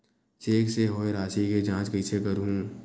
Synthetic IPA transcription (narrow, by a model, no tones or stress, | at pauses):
t͡ʃeːkseɦoːeɾaːʃiked͡ʒãːt͡ʃkəɪsʰekəɾɦũː